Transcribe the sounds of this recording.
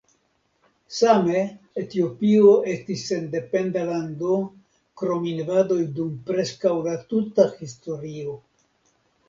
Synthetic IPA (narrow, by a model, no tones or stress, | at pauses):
same̞ | etio̞pio̞ʔe̞stise̞nde̞pe̞ndalando̞ | kɾo̞minvado̞jdumpɾe̞skawlatutaxisto̞ɾio̞